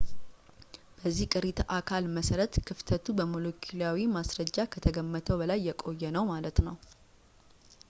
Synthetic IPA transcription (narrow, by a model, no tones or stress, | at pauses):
b̥əzːihkʼɨɾit̪ʰʔakʰalməsəɾət̪kʰɨft̪ʰət̪ʰubəmolokʰilawimasɾəd͡ʒːakʰət̪ʰəɡəmːət̪ʰəwbəlajːɛkʼo̞jːɛnəwmalət̪nəw